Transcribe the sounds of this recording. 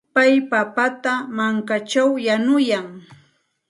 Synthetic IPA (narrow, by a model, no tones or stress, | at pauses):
pajpapat̪amaŋkat͡ʃawjanʊjaŋ